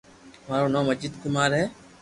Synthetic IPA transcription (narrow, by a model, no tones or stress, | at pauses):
maːɾoːnoːməzd͡ʒɪd̪kɪmaːɾɦɛː